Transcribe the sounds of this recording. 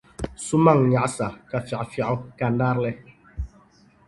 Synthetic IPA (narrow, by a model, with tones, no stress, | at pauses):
su˦ma˦˨ŋɲa˨ʔsa˨ka˨fja˨fa˨ʔka˨nda˦ɾlɛ˦